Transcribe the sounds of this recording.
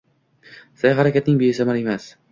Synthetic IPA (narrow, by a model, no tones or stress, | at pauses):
sajɦaɾakʲat̪nɪŋbeɪsamaɾe̞mas